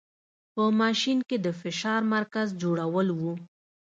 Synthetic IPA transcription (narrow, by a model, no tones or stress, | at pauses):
pəmɑʃinked̪əfɪʃɑɾmaɾkazd͡ʒoɽawəlwu